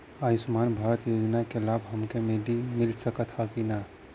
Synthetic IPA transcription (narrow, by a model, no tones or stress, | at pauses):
aːisʊmaːnbʱaːɾət̪joːd͡ʒnakelaːbɦɐmkemelimɪlsəkət̪ʰakina